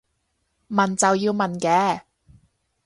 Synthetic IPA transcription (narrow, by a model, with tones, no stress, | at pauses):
mɐ˨˩nt͡sɐ˨wjiː˧wmɐ˨nkɛː˨˧